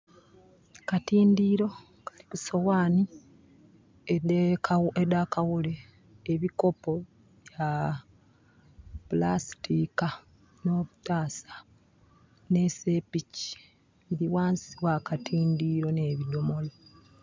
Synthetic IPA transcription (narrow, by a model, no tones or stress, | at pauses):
katiːndiːɾo̞ | kḁlikuso̞waːni | e | edakawuleː | βiko̞po̞ | βja | pulastika | no̞ːβutaːsḁ | ne̞se̞pici̥ | βiɾiwaːnsiwakatʰiːndiːɾo̞ne̞ːβido̞mo̞lo